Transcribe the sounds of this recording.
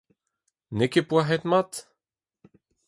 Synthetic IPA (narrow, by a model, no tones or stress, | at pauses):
nekepwaɦɛt̪mat̪